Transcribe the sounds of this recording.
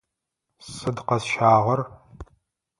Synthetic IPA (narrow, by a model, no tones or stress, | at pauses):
sɨdqɐsʃaːʁɐr